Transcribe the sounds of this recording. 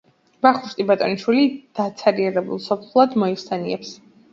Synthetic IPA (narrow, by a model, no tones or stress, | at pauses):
baχuʃt̪ʼibat̪ʼɔniʃwilid̪̥at̪sʰaɾiɛʁɛbṵlˠsɔpʰlχlˠad̪mɔiχsʰaniɛps